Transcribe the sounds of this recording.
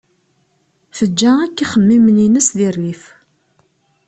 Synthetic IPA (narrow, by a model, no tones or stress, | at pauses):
θəd͡ʒːæækːiχəmːimninəsðirːif